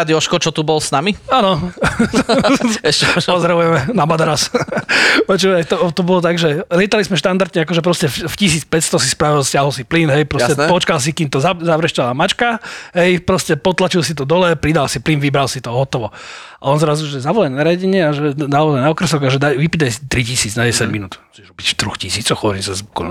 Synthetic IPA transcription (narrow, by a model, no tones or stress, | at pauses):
ad̪iɔʃkɔt͡ʃɔt̪ubɔlsnamiaːnɔ | ɛɛpɔzɾaʋujɛmɛnabad̪ɾas | pɔt͡ʃuʋajt̪ɔt̪ɔbɔlɔt̪aɡʒɛlɪɛt̪alismɛʃt̪and̪aɾd̪ɲɛakɔʒɛpɾɔscɛffcis̬iːt͡spɛtst̪ɔsispɾaʋilscɪaɦɔlsiplinɦɛjpɾɔjcɛpɔt͡ʃkals̬ikimt̪ɔzazaʋɾɛʃcalaːmat͡ʃkaɦɛjpɾɔscɛpɔt̪lat͡ʃilsit̪̬ɔd̪ɔlɛpɾid̪alsiplinʋibɾalsit̪ɔɦɔt̪ɔʋɔ | aɔnzɾazuʒɛzaʋɔlɛnnaɾaɟɛɲɪɛaʒɛnaɔzajnaɔkɾɛsɔɡaʒɛd̪aʋipid̪ajsi̥t̪ɾicisiːd͡znaɟɛsaɟminuːt̪t͡ʃɛʒɾɔbicft̪ɾuxcisiːt͡sɔwxhɔʋɔɾimsɛzbukɔ̰n